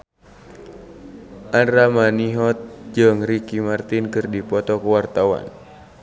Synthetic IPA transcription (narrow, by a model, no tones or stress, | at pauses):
ʔanɾamaniɦɔt̪̚d͡ʒɨŋrikimart̪inkɨrdipɔt̪ɔkəwart̪awa̰n